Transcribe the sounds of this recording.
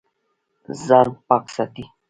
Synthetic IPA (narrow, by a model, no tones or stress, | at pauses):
zaɾpaksat̪i